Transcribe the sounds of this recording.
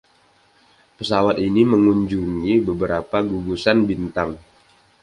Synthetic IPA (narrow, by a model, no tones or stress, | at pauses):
pəsawat̪iniməŋuɲd͡ʒuŋibəbəɾapaɡuɡusanbint̪aŋ